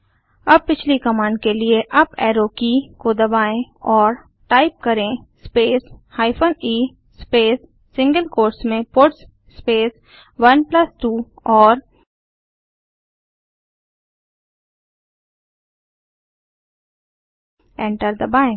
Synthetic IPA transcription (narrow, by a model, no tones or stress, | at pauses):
ɐb̚pɪt͡ʃʰlikɐmaːnɖkelieʔɐbɛːɾoːkikod̪ɐbaːẽɔːɾ | ʈaːɪp̚kɐɾẽspeːshaːɪpʰəniː | speːsː | ɪ̃ŋɡəlkoːɾsmẽpoːʈsː | peːs | ʋɐnplɐsʈuː | ɔːɾ | ɛ̃ːɳʈəɾd̪ɐbaːẽː